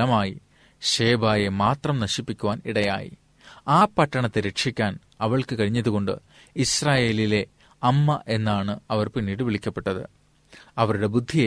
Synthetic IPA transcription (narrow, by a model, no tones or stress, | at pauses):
ɐmaːji | ɕe̞ːbaːjemaːt̪rɐmnɐɕipːikʲːuʋaːniɽɐja̰ːjḭ | aːpɐʈːɐɳɐt̪ːeɾe̞kʂikʲːaːn | ɐʋɐɭkɨkɐɻiɲːɐðuɣo̞ɳɖɨ̰ | israːje̞ːlile̞ | ɐmːɐʔe̞nːaːɳɨɐʋɐrpinːiːɽɨʋiɭikʲːɐpːe̞ʈːɐðɨ̰ | ɐʋɐɾuɽe̞bud̪ʱːij